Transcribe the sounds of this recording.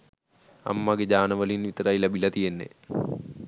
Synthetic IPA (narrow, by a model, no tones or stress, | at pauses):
ɐ̰mːɐɡed͡ʑaːnɐʋɐlinʋit̪ɾajlebilɐt̪ijenːḛ